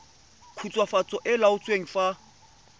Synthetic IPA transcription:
kʰut͡sʼwafat͡sʼɔʔɪlaʊt͡sʼweŋ̩fa

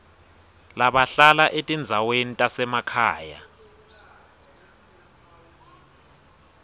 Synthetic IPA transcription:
laɓaɬalaʔetʼind͡zʱawenitʼasɛmakʰaːja̰

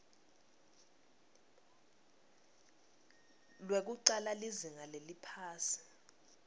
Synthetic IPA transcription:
lwek̬uǀalaliziŋalelipʰaːsi̥

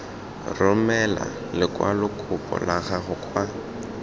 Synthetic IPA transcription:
rʊmɛla̰ | lɪkʼwalʊkʰʼʊpʼɔ̰laɣaɣʊkʼwa

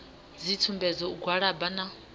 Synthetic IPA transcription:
zitʰumbɛd͡zɔuɡwaɺabana

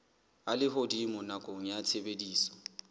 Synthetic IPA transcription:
alɪɦodimʊnakʼoŋ̩jat͡sʰebediːsɔ̥

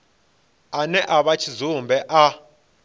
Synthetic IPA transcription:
anɛʔaβat͡ʃʰizumbʱɛʔa

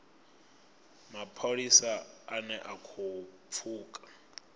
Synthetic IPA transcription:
mapʰoɺisaanɛʔakʰup̪fʰuːkʼḁ

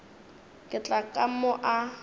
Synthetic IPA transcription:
kʼɪt͡ɬʼakʼamʊʔa

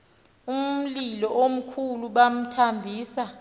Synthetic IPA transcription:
um̩lilɔʔom̩kʰuluɓam̩tʰambʱiːsa

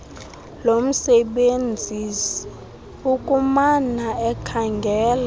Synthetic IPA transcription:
lom̩sɛɓend͡zʱis | ukʼumanaɛkʰaŋɡʱɛːla

